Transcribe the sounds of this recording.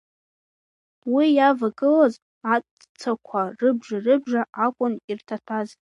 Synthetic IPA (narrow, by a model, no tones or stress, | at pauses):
wijavaɡɨlaz | at͡sʼ | t͡sʰakʷʰarɨbʒarɨbʒaʔakʷʼʊnirtʰatʰaz